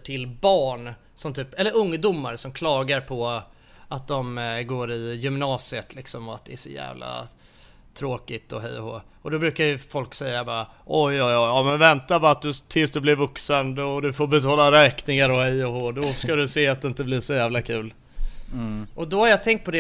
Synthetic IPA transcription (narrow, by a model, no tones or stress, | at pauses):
ʈʰɪlbɑːɳ | sɔmt̪ʰyːpɛlːəɾɵŋːd̪ʊmːaɾsɔmkʰlɑːɡaɾpʰɔ | at̪̚d̪ɔmɡoːɾɪjʏmnɑːsɪət̪ʰlɪksɔmɔat̪̚d̪ɛæʂɔjæ̰ːvla̰ | t̪ʰɾoːkɪt̪ɔɦɛ̰jɔho̰ː | ʔɔd̪ɔbɾʉ̟ːkajɵfɔlksɛjːabɑːɾa | ʔɔjɔjɑjɑːmɛnvɛnt̪abɑɾat̪̚d̪ɵt̪ʰɪlsd̪ɵblɪɾvɵksənd̪ɔd̪ɵfoɾbɛt̪ʰɑːlaɾɛːknɪŋaɾɔhɛjɔɦoːd̪ɔskad̪ɵseːat̪̚d̪ɪnt̪ɛbliːʂɔjæːvlakʰʉ̟ːl | ʔɔd̪ɔhaɾjɑt̪ʰɛŋkt̪̚pʰɔd̪ɛ